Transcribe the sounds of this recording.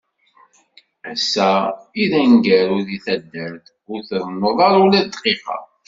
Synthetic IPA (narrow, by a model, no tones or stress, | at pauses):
ʕsːæiðæŋɡæɾʊðiθæd̪ːəɾθ | ʊɾθðˤnəðˤɑɾˤulæd̪qiχɑ̰